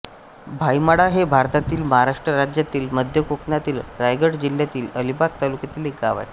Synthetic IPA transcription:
bʱajmaɽaɦebʱaɾt̪at̪iːlməɦaɾaʂʈɾəɾad͡ʑjat̪iːlməd̪ʱjəkoknjat̪iːlɾajɡəɽd͡ʑiljat̪iːləlibak̚t̪alukjat̪iːlek̚ɡaʋa̰j

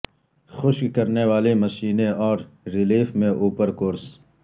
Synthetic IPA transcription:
xʊʃkkɐɾnewaːlemɐʃiːneɔːɾɾɪliːfmẽʔuːpəɾkoːɾs

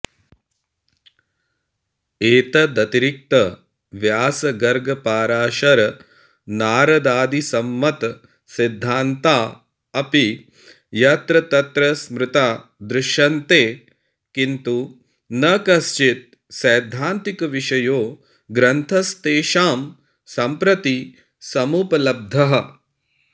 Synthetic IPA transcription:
eːt̪ɐd̪ɐt̪iɾik̚t̪ɐ | ʋjaːsɐɡɐɾɡɐpaːɾaːʃɐɾɐ | naːɾɐd̪aːd̪isɐmːɐt̪ | sid̪ʱːaːnt̪aː | ɐpi | jɐt̪ɾɐt̪ɐt̪ɾɐsmɾɪt̪aːd̪ɾɪʃjɐnt̪eː | kint̪u | nɐkɐst͡ʃit̪̚ | sɐːd̪ʱaːnt̪ikɐʋiʃɐjoː | ɡɾɐnt̪ʰɐst̪eːʃaːm | sɐmpɾɐt̪i | sɐmuːpɐlɐb̚d̪ʱɐɦɐ̆

